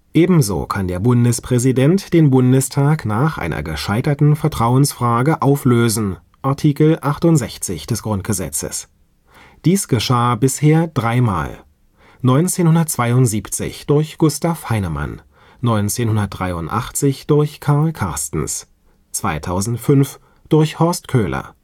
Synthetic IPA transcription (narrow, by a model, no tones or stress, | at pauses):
ʔeːbm̩zo̰ːkʰandeːɐbʊndəspʁ̥ɛzidɛntd̥eːnbʊndəstʰaːknaːχʔa̰ɪnɐ̰ɡəʃaɪtɐtn̩fɛɐtʁ̥aʊənsfʁ̥aːɡəʔaʊfløːzn̩ | ʔaɐtʰiːkl̩ʔaχtʊntz̥ɛçt͡sɪ̰çd̥ɛsɡ̥ʁʊnt̚ɡ̥əzɛ̰t͡sə̰s | d̥iːsɡ̥əʃaːbɪsheːɐdʁaɪma̰ːl | nɔʏnt͡seːnhʊndɐt̚t͡sv̥aɪʊntz̥iːpt͡sɪ̰çd̥ʊɐçɡ̥ʊstafhaɪnəma̰nː | ɔʏnt͡seːnhʊndɐt̚d̥ʁa̰ɪʊntʔa̰χt͡sɪçd̥ʊɐçkʰaɐlkʰa̰ɐstn̩s | t͡sv̥aɪtʰaʊzn̩tfʏnf | d̥ʊɐçhɔɐstkʰøːlɐ̰